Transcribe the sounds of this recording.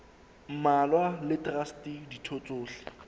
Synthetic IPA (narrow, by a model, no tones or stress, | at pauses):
m̩malwalɪtʼrastiditʰot͡sʼoːɬɪ̥